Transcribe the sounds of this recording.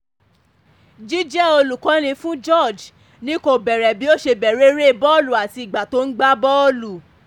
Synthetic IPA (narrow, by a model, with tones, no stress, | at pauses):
d͡ʒi˦d͡ʒɛ˦o˧lu˨kɔ̃˨˦nĩ˧fũ˦d͡ʒɔ˦˨d͡ʒ | nĩ˦ko˧bɛ˨ɾɛ˨bi˨˦o˦ʃe˧bɛ˨ɾe˨˦ɾe˦˨bɔ˦lu˨a˨ti˧i˨ɡ͡ba˨to˨˦n̩˦ɡ͡ba˦bɔ˦o˦lu˨